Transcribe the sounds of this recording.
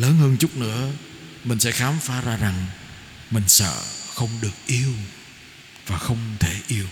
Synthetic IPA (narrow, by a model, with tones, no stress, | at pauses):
ləː˨˦nhəː˧nt͡ɕʊ˦˥k͡p̚nɨ̰˧˥ə | mï˨˩ŋ̟sɛ̰˧˥xaː˨˦mfaː˨˦zaː˧za˨˩ŋ | mï˨˩ŋ̟sə̰ː˧˨xə˧wŋ͡mɗɨ˨˩ək̚ʔi˧əw | vaː˨˩xə˧wŋ͡mt̪ʰe˧˩ʔi˧əw